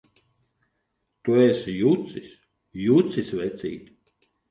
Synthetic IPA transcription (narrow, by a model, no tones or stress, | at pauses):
t̪uɛsjut̪sisʲ | juːt̪sisʲvɛt̪sʲḭːt̪ʲ